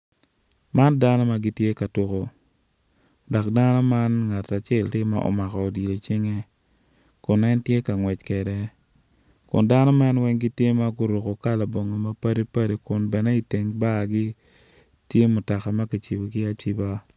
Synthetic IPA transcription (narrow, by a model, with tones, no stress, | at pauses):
ma˦nda˦nɔ˦ma˦ɡi˦tje˦ka˨tʊ˦ko˨ | dɔ˨k̚da˦nɔ˦ma˦nŋa˨ta˨t͡ʃɛ˦˨ltɪ˦mːa̰˦ʔɔ̰˨ma˨kɔː˨di˨lo˨t͡ʃɪ˦ŋe˦ | kʊ˨nɛ˦ntje˦ka˨ŋwɛ˨t͡ʃkɛ˨dɛ˨ | kʊ̰˨nda˦nɔ˦ma˦nwɛ˦ŋɡɪ˦tje˦ma˦ɡʊ˦ɾo˨ko˨ka˦la˨bo˨ŋo˨ma˦pa˦de˦pa˦de˦kʊ˨nbɛ˨nɛ˦i˨te˨ŋba˦˨ɡɪ˦ | tje˦mʊ˨ta˨ka˨ma˦ki˨t͡ʃi˨bo˨kɪ˦a˦t͡ʃi˦ba˦